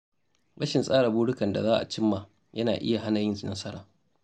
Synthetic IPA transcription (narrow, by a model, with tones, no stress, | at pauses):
ɽɐ˦ʃɪ˨nsʼaː˦ɽa˨buː˦ɽʊ˦kɐ˨nda̰˨zaː˦ʔa̰˨t͡ʃɪ˦mːaː˨ | jɐ˦naː˨ʔɪ̰˦ja˨ɦa˦nɐ˨jɪ˦nsnɐ˦sɐ˦ɽaː˨